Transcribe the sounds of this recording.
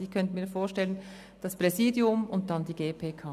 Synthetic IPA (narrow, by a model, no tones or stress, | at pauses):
ikʰœntənmiːɾfoːʃtɛlən | d̥ɑspʁ̥ɛziːdjʊmʊnt̚d̥ɑndiːɡeːpʰeːkʰaː